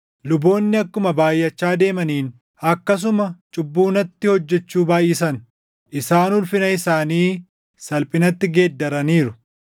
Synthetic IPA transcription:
lʊbo̞ːnːɪɐkːʊmɐbaːjʔɐt͡ʃːaːd̪e̞ːmɐniːn | ɐkːɐs̬ʊmɐt͡ʃʼʊbːuːnɐt̪ːɪhɔd͡ʒːɛt͡ʃːuːbaːjiːsɐn | ʔɪsaːnʊlfɪnɐɪsaːniː | sɐlpʼɪnɐt̪ːɪɡe̞ːd̪ːɐɾɐniːɾʊ

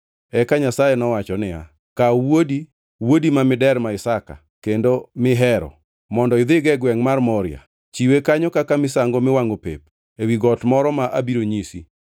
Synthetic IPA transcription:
ɛkaɲasajɛnɔwat͡ʃɔnɪa̰ | kawodi | wodimamɪdɛɾmaɪsaka̰ | kendomɪɦɛɾɔ̰ | mɔndɔɪd̪ɪɡɛɡwɛŋmarmɔɾɪa̰ | t͡ʃiwekaɲɔkakamɪsaŋɡomɪwaŋɡopḛp̚ | ewiɡɔtmɔɾɔmaʔabiɾoɲisḭ

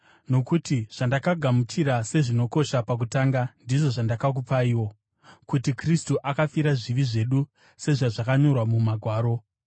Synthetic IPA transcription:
no̞kutiʐ̥andakaɡʱamut͡ʃiɾase̞ʐino̞ko̞ʃapak̬utaːŋɡandiʐo̞ʐandakak̬upaiːwo̞ | kutikristuʔakafiɾaʐiʋiʐe̞ɗu | se̞ʐaʐakaɲo̞rwamumaɡʱwaːɾo̞

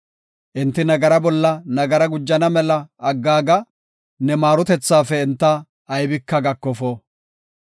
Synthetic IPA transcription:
ʔɪnt̪ːɪnɐɡɐɾɐbɔlːɐnɐɡɐɾɐɡʊd͡ʒːɐnɐmɛlɐːɡːaːɡɐ | nɛmaːɾʊt̪ɛt͡sːaːfɛɪnt̪ːɐː | jbɪkːɐɡɐkːɔfoː

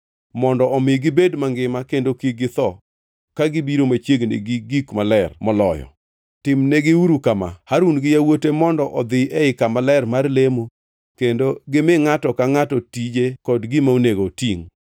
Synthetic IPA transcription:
mɔndɔɔmɪɡɪbedmaŋɡɪmakendokiɡɪt̪ɔ | kaɡɪbiɾomat͡ʃjeɡnḛɡiɡikmalɛrmɔlɔjɔ̰ | tɪmneɡɪuɾukama̰haɾunɡɪjawotemɔndɔʔɔd̪ɪɛɪkamalɛrmarlemo | kendoɡɪmɪŋatɔkaŋatɔtid͡ʒekɔdɡɪmauneɡotiŋ

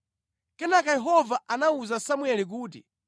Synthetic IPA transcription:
kɛnakajɛɦɔvaʔanauzasamwɛlik̬uːtḭ

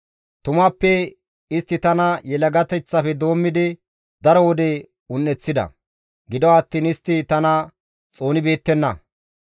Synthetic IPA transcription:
t̪ʊmɐpːɛ | ɪst̪ːɪt̪ɐnɐjɛlɐɡɐt̪ɛt͡sːɐfɛd̪o̞ːmːɪd̪ɪ | d̪ɐɾɔwɔd̪e | ʊnːɛt͡sːɪd̪ɐ̰ | ɡɪd̪ɔwɐt̪ːiːnɪst̪ːɪt̪ɐnɐ | t͡sʼo̞ːnɪbe̞ːt̪ːɛnːɐ̰

